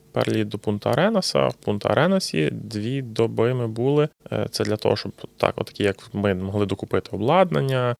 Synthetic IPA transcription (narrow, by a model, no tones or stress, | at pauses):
pɛ̰ɾrlʲid̪d̪ɔpunt̪ɐɾɛnɐsɐ̰wpunt̪ɐɐ̰ɾʔɛnɐsʲḭd̪ʋʲid̪ɔbɪmɪbulˠɪt̪sɛd̪lʲɐt̪ɔ̰ɦɔʃt͡ʃɔbt̪ʰɑ̰kɔ̰t̪ːɐ̥kʲijɐkmɪmɔɦlˠɪd̪ɔkʊpɪt̪ɪɔblˠɑd̪nɐnʲːɐ